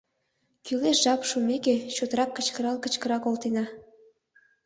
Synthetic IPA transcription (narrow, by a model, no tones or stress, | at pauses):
kyleʃʒɑpʃumeket͡ɕot̪əɾɑkːət͡ɕkəɾɑlkə̆t͡ɕkəɾɑkolt̪enɑ